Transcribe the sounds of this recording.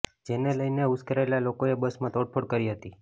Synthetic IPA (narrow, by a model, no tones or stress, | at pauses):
d͡ʒeneləjneuskəɾaelalokoebəsmãt̪oʈ̚pʰoɽkəɾiɦət̪i